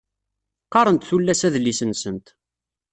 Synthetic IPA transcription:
qːɑɾˤənt̪θulːæsæðlːisənsənt̪

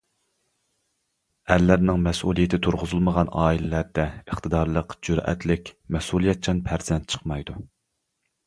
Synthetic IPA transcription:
ælːæɾnɪŋmɛsʔulˠijɪt̪ʰɪt̪ʰuɾʁʊzɨlˠməʁɑnɑːilɪlæɾd̪ɛəχt̪ʰɨd̪ɑɾlˠəqd͡ʒyɾɛ̰t̪ʰlɪkʲmɛsulˠijɛt̪̚t͡ʃʰɑnpʰæɾz̥ɛnt̪̚t͡ʃʰə̥qmɑjd̪u

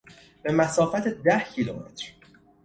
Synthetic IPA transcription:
b̥e̞mæsɒːfæt̪ʰed̪æhcʰilṵmḛt̪ʰɾ

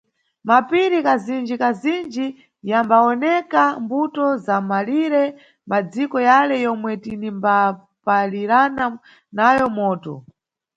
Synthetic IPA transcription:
mapiɾikazind͡ʒikazind͡ʒi | jambaɔnɛkambutɔzamaliɾɛ | mad͡zikɔjalɛjɔmwɛtinimba | paliɾana | najɔmɔːtɔ̰

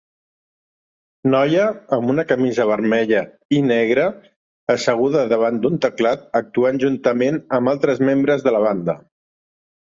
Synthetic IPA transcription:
nɔjəːmbunəkəmizəβ̞əɾmɛʎə | inɛɣɾəː | səɣ̞uðəðəβ̞and̪unt̪əklat̪̚ək̚t̪uanʲʒunt̪əmenəmbalˠt̪ɾəzmembɾəzðələβ̞and̪ə̰

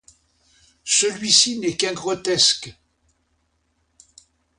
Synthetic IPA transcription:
səlɥisinɛkɛ̃ɡʁɔt̪ɛsk

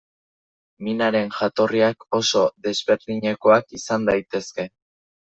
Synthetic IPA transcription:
minaɾe̞nʝat̪o̞riako̞so̞ðe̞zβe̞ɾðiɲe̞ko̞akisand̪ajt̪e̞ske̞

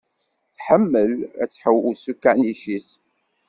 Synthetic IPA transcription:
θħəmːəlæ̰t͡sːħəwusukːæniʃis

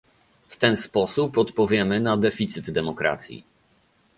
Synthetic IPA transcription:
ft̪ɛnspɔsupɔt̪pɔvʲjɛmɘnad̪ɛfʲit̪sɘd̪d̪ɛmɔkɾa̰t̪sʲjḭ

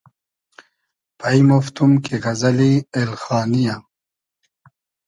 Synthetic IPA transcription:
pʰɐjmoft̪umkiɣɐzɐlielxɑːnija

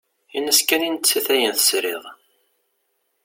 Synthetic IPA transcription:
inəskænint͡sːiθæjənθə̥sɾiʁˤ

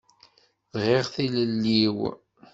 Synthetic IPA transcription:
ðʁɪʁθiləlːiw

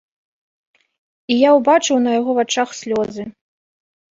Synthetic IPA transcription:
ijawbat͡ʂɨwnɐjaɣɔvat͡ʂaxsʲlʲɔzɨ

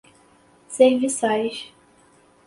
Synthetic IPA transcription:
sẽj̃visajʃ

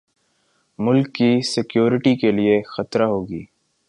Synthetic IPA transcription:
mʊlkːisɪkjoːɾɪʈikeliexɐt̪ɾaɦoːɡiː

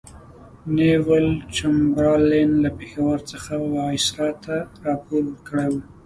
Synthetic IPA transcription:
newəlt͡ʃambɾɑlenlapexawəɾt͡səxawɑɪsɾɑt̪aɾɑpoɾwəɾkəɽejwu

